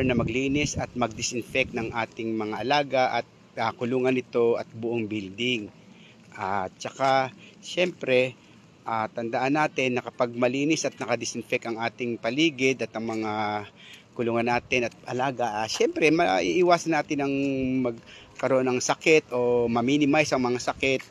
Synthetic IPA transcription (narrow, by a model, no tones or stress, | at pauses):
ɛnɐmɐɡliːnɪsɐt̪̚mɐɡ̚d̪ɪsɪnfɛk̚t̪nɐŋʔaːt̪ɪŋmɐŋaʔɐlaːɡɐʔɐ̰t̪̚ | akʊluːŋɐnɪt̪o̞ɐ̰t̪̚bʊʔoŋbild̪ɪŋ | ʔat̪t͡ʃɐkaʃɛmpɾɛ | ʔaːt̪ɐnd̪ɐʔanːaːt̪ɪnːɐkɐpɐɡ̚mɐliːnɪsʔɐt̪̚nɐkɐd̪ɪsɪnfɛk̪ɐŋʔaːt̪ɪŋpɐliːɡɪd̪ɐt̪ʔɐŋmɐŋa | kʊluːŋɐnːaːt̪ɪnɐt̪̚ʔɐlaːɡɐʔʃɛmpɾɛmɐʔḭʔɪwaːsɐnːaːt̪ɪnɐŋmɐɡ̚ | kɐɾoʔo̞nɐŋsɐkɛt̪ʔo̞mɐmiːnɪmajsɐŋmɐŋasɐkɪt̪̚